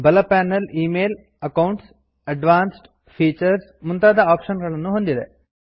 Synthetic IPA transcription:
bɐlɐpæːnɐliːmeːl | ɐkɐwɳʈs | ɐɖʋaːnsʈ | pʰiːt͡ʃɐɾsmunt̪aːd̪ɐaːpʃɐnɡɐɭɐnːuɦond̪id̪e̞̰

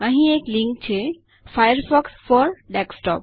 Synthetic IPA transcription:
ãɦĩekliŋk̚t͡ɕʰe | fajaɾfɔksfɔɾɖɛksʈɔ̰p̚

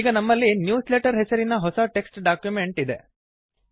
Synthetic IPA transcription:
iːɡɐnɐmːɐlːinjuːsleʈɐɾɦesɐɾinɐɦɔsɐʈe̞ksʈɖaːkjume̞ɳʈid̪e

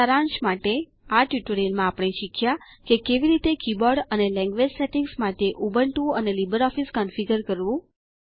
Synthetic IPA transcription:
əɾãnʃmaʈe | aʈjuʈəɾilmãapɽ̃eʃikʰja | kekeʋiɾit̪ekibɔɾɖənelɛ̃ŋɡʋed͡ʒseʈiŋɡsmaʈeʔubəɳʈũənelibəɾɔfiskənfiɡəɾkəɾʋũ

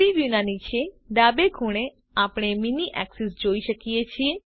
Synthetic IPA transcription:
iʋjunanit͡ʃʰe | ɖ̪abekʰuɽ̃e | apɽ̃eminiʔɛ̰ksisd͡ʒoiʃəkijet͡ʃʰie

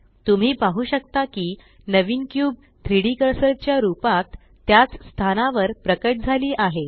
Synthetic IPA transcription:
t̪um̤iːpaɦuːɕək̚t̪akiː | nəʋiːnkjuːb̚ | t̪ʰɾiɽikəɾsəɾt͡ɕjaɾupat̪ː | jat͡sst̪ʰanaʋəɾpɾəkəʈ̚d͡zʱaliːʔaɦe

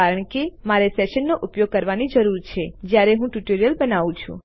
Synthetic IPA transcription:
aɾəɳ̃kemaɾesɛʃənːoʔupjoɡ̚kəɾʋanid͡ʒəɾuɾt͡ʃʰed͡ʒjaɾeɦũʈuʈoɾijəlbənaʋũt͡ʃʰṵ̃

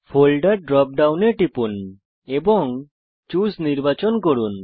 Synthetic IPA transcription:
pʰolɖaɾɖɾɔp̚ɖawneʈipun | ebɔŋ | t͡ʃusniɾbat͡ʃɔnkoɽun

